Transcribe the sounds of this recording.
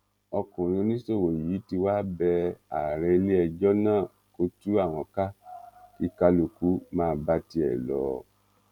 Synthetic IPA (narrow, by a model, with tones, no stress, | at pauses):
ɔ˧kũ˨ɾ̃ĩ˧nĩ˦so˦˨wo˨ji˨˦ti˧wa˦bɛ˧a˨ɾɛ˧le˦ɛ˧d͡ʒɔ˦nãː˦˨ | ko˦tu˦a˦˨w̃ɔ̃˧ka˦ki˦ka˧lo˨ku˨˦mãː˦˧˦ba˧ti˧˦ɛ̰˨lɔ̰˨˦